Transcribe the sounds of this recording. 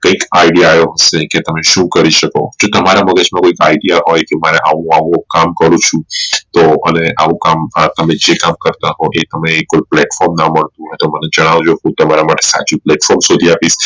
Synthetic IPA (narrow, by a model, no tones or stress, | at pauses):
kə̃ikaiɖijajoɦəseket̪əmeʃũkəɾiʃəko̰d͡ʒot̪əmaɾaməɡəd͡ʒmãkoikaiɖijaɦɔjkemaɾeʔaʋũaʋũkamkəɾũt͡ʃʰũt̪oəneʔaʋũkamt̪əmed͡ʒekamkəɾt̪aɦoʔet̪əmeːkːolplɛʈfɔɾmnaməɭt̪ũɦɔjt̪oməned͡ʒəɽ̃aʋd͡ʒokũt̪əmaɾamaʈesa̰t͡ʃuplɛʈfɔɾmsod̪ʱiapis